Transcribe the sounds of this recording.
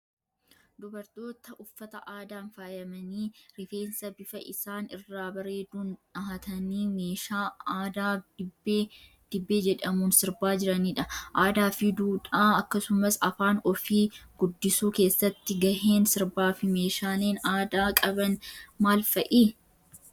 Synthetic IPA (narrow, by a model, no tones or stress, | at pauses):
d̪ʊbɐɾt̪o̞ːt̪ɐʔʊfːɐt̪ɐʔaːd̪aːnfaːjɐmɐniːɾɪfe̞ːnsɐbɪfɐʔɪsaːnɪ̰rːaːbɐɾe̞ːd̪uːnᶑɐɐt̪ʰɐniːmeːʃaːd̪aːbːeː | d̪̥ɪbːe̞ːd͡ʒɛᶑɐmuːnsɪɾbaːd͡ʒɪɾɐniːᶑɐʔaːd̪aːfɪd̪uːᶑaːɐkːɐsʊmɐsɐfaːnɔfiːɡ̥ʊd̪ːɪsuːke̞ːsːɐt̪ːɪɡɐheːnsɪɾbaːfɪme̞ːʃaːleːnaːd̪aːkʼɐbɐnmaːlfɐʔiː